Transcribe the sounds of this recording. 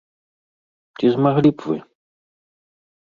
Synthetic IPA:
t̪ʲizmaɣlʲipvɨ̰

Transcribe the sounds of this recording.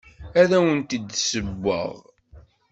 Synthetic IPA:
æðæwənt̪id̪səbːə̰ʁ

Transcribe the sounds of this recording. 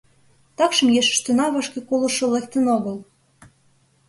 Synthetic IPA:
t̪ɑkʃə̆mjeʃə̥̆ʃt̪ønɑβɑʃkekolɤ̆ʃŏlek̚t̪ənoɣə̆l

